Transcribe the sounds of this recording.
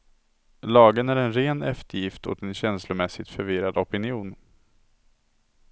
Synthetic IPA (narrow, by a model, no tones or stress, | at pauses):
lɑːɡənæɾɛnɾeːnɛ̰ft̪əɾjɪft̪hʊ̰t̪ɛnɕɛnslʊmɛsːɪt̪fœɾvɪɾad̪ɔpɪnɪuːn